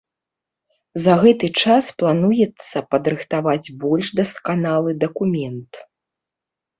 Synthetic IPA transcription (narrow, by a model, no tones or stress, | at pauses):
zɐɣɛt̪ɨt͡ʂasplˠanujɛt̪sːɐpɐd̪ɾɨxt̪avad͡zʲbɔlʲʂd̪ɐskanalˠɨd̪ɐkumʲɛnt̪